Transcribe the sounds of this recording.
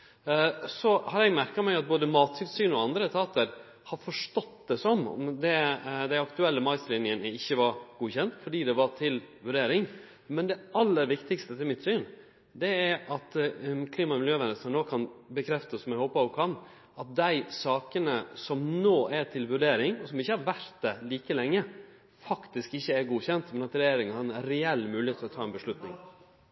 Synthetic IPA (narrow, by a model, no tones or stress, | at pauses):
sɔhɑɾɛɡmæɾkɑmæɪɑt̪̚boːd̪əmɑːt̪ʰɪlsyːnɔɑnd̪ɾət̪ʰɑːt̪əɾ | hɑɾfɔʂʈɔt̪d̪ɛsɔmɔ̰md̪ɛd̪æɪɑkt̪ʉɛlːəmɑɪst̪lɪnɪənəɪçːəʋɑɾɡ̥uːçɛnt̪fɔɖiːd̪ɛʋɑɾt̪ʰɪlʋʉɖeːɾɪŋ | mɛnd̪ɛɑlːəɾʋɪkt̪ɪkst̪ət̪ʰɪlmɪt̪syːn | d̪ɛæɾɑt̪kʰliːmɑmɪljøːʋɛnəsɑnoːkʰɑnbəkʰɾɛft̪əsɔmæɪhoːpəɑʋkʰɑn | ɑt̪̚d̪æɪsɑːkənəsɔmnoːæt̪ʰɪlʋʉɖeːɾɪŋɔsɔmɪçːəhɑɾʋæɾt̪̚d̪ɛliːkəlɛŋːə | fɑkt̪ɪskɪçːəɛɾɡuːçɛnt̪mɛnɑt̪ɾɛjeːɾɪŋhɑnɛɾɛɛlːmʉːlɪeːt̪ɪlɔt̪ʰɑːɛnbəʂlʉt̪nɪŋ